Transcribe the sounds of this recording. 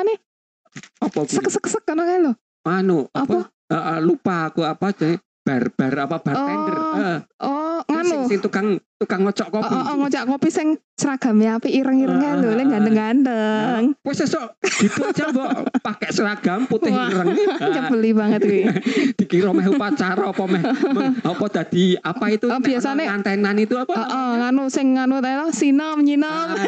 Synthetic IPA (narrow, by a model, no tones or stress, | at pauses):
ane | ɔpɔsəksəksəkːənɔkalo | ŋanuɔɔpɔ | aʔlupaːkuapḁd͡ʒ̥an | b̥arb̥a̤rapab̥aɾɔɛndərəʔɔŋanɪusɪŋt̪ukaŋt̪ukaŋːɔt͡ʃɔʔkopiɔʔɔŋɔt͡ʃaʔkopisɪŋ | səɾaɡ̥a̤mjapiiɾəŋiɾəŋkalolɛŋɡandəŋɡandəŋpɛsɛsɔʔd̪̥it̪ut͡ʃabɔʔpakɛʔsəɾaɡ̥a̤mput̪ɪhiɾəŋt͡ʃəbəlibaŋət̪ɡid̪̥i̤kiɾɔmɛɦupat͡ʃaɾɔpɔmɛhmɔpɔd̪̥a̤d̪̥i̤apait̪ub̥iasanekant̪ananit̪uapaɔʔɔŋanusɪŋːanut̪ailɔsinɔmɲinɔm